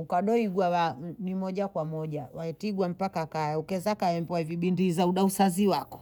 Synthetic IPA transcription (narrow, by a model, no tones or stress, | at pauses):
ukaɗɔiɡwawanimɔʄakwamɔʄawaɛtiɡwam̩pakakajɛukɛzakajɛmbɔwaviɓindizauɗausaziwakɔ̥